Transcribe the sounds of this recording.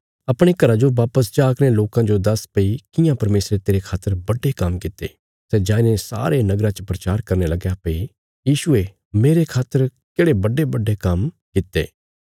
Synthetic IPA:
ɐpɽ̃ekɐɾad͡ʒoʋaːpəs̬d͡ʒaːkneloːkãd͡ʒod̪ɐspɐikɪjãpɐɾmeːsɾet̪eːɾekʰaːt̪ːəɾbɐɖekɐmkɪt̪ːḛ | sɛd͡ʒaːinesa̰ːɾenɐɡɾãt͡ʃəpɾɐt͡ʃaːɾkɐɾnelɐɡjapɐi | jiːʃʊe | meːɾekʰaːt̪ːəɾ | keːɽebɐɖebɐɖːekɐm | kɪt̪ːḛː

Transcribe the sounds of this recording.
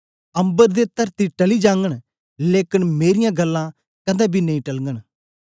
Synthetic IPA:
ə̃mbəɾd̪eːt̪əɾt̪iʈəliːd͡ʒãːŋɡəɳ | leːkɪnmeːɾɪjãɡəlːãː | kɐd̪ãːbiːnɐĩʈəlŋɡəɳ

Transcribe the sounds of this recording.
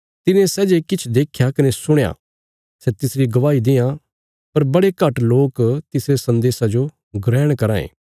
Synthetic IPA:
t̪ɪnẽsɛːd͡ʒekɪt͡ʃʰd̪eːkʰjakɐnesʊɽ̃ja̰ː | sɛt̪ɪsɾiɡɐʋaːid̪ɪjã | pɐɾbɐɽekɐʈloːkt̪ɪsɾesɐ̃nd̪eːsad͡ʒo | ɡɾɛːɽ̃kɐɾãːḛ̃ː

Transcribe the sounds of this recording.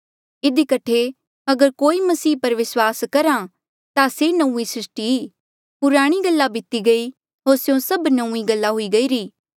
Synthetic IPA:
ɪd̪ikɐʈʰe | ɐɡəɾkoːimɐsiːpɐɾʋɪswaːskɐɾã | t̪asenɐũːisɪsʈi | pʊɾaːɽ̃iɡɐlːabʱɪt̪iɡɐi | ɦoːɾsjõsɐbnɐ̃ũːiɡɐlːaɦʊiɡɐiːɾiː

